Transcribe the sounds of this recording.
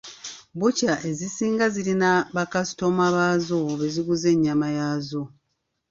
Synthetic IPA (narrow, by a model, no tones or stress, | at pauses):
bucaʔe̞zisiːŋɡazilinaβakasi̥tomaβaːzoβe̞ziɡuze̞ɲːamajazo̞